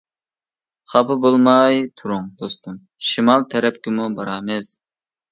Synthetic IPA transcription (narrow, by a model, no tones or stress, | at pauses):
χɑpʰɨbolˠmɑjt̪ʰuɾuŋd̪ost̪um | ʃimɑlˠt̪ʰɛɾɛp̚kʲɪmubɑɾɑmɪz